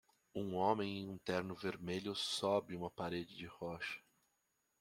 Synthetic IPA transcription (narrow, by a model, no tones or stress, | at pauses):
ũõmẽj̃iũnt̪ɛɾnʊveɾmeʎʊsɔbɪũmɐpaɾed͡ʒɪd͡ʒɪhɔʃɐ̥